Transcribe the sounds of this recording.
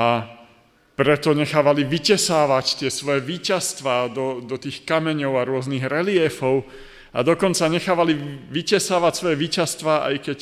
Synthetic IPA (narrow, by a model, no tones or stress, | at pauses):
a | pɾɛt̪ɔɲɛxaːʋaliʋicɛsaːʋact̪ɪɛsʋɔjɛʋiːcast̪ʋaːd̪ɔd̪ɔt̪iːxkamɛɲɔʊaɾʊɔzniɣɾɛlɪɛfɔʊ | a̰d̪ɔkɔnt͡saɲɛxaːʋaliʋicɛsaːʋacsʋɔjɛʋiːcast̪ʋaːʔa̰jkɛc